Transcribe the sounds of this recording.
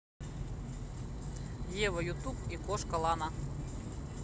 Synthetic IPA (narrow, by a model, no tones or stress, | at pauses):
jeʋɐjut̪upikoʂkɐlˠɑna